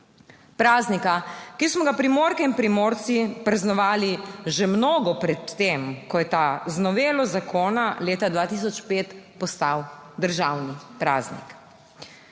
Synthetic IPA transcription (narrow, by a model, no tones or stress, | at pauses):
pɾaːznikakismɔɡapɾimoːɾkɛinpɾimoːɾt̪sipɾɛznɔʋaːliʒɛmnoːɡɔpɾɛt̪ːemkɔjɛt̪aznɔʋeːlɔzakʰoːnaleːt̪ad̪ʋaːt̪is̬ɔt͡ʃpeːt̪pɔst̪awd̪əɾʒawnipɾa̰ːznḭk